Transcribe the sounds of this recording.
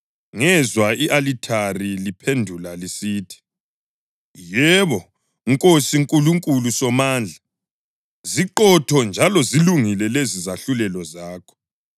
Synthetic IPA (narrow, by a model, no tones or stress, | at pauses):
ŋɛzwaiʔalitʰarilipʰendʱulalisiːtʰi̥ | jɛβɔ | ŋkʼosiŋkʼuluŋkʼulusɔmaːnd͡ɮʱa | ziǃɔtʰɔnd͡ʒʱalɔziluŋilɛlezizaɬulɛlɔzaːkʰɔ̥